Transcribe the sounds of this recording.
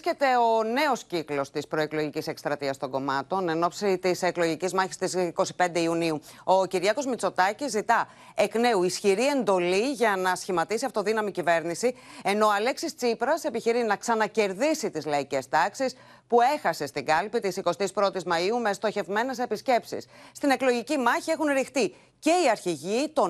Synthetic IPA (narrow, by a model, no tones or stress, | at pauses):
cet̪e̞o̞ne̞osciklo̞st̪ispɾo̞eklo̞ʝicise̞kst̪ɾɐt̪iɐst̪o̞ŋɡo̞mɐt̪o̞ne̞no̞psit̪ise̞klo̞ʝicizmɐçist̪isko̞si̥pe̞nd̪eiuniuo̞ciɾʝɐko̞zmit͡so̞t̪ɐcizːit̪ɐ | ekne̞uisçiɾie̞nd̪o̞liʝɐnɐsçimɐt̪isiɐft̪oðinɐmicive̞ɾnisie̞no̞ɐle̞ksist͡sipɾɐse̞piçiɾinɐksɐnɐce̞ɾðisit̪izlɐice̞st̪ɐksis | pue̞xɐse̞st̪iɡɐlpit̪isiko̞st̪ispɾo̞t̪izmɐiume̞st̪o̞çe̞vme̞ne̞se̞pisce̞psḭsst̪ine̞klo̞ʝicimɐçie̞xunɾixt̪i | ce̞iɐɾçiʝit̪o̞